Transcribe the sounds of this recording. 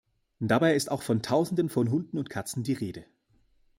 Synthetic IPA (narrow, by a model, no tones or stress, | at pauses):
d̥abaɪɪstaʊxfɔntʰaʊzn̩dənfɔnɦʊndn̩ʊntkʰat͡sn̩diːʁeːdə